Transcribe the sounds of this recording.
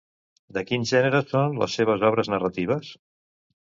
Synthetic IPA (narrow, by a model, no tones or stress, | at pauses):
d̪əkinʒɛnəɾəsonlə̰sːeβ̞əzɔβ̞ɾəznərət̪iβ̞əs